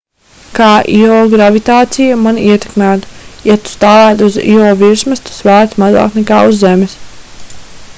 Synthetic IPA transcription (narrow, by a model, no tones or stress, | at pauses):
kaːʔiɔːɡɾavit̪aːt̪sijamaniɛt̪e̥kmæːt̪jat̪u̥st̪aːlæːt̪uzḭɔːviɾsmɨst̪u̥svæːɾt̪maza̰ːknɛka̰ːuzːemɪs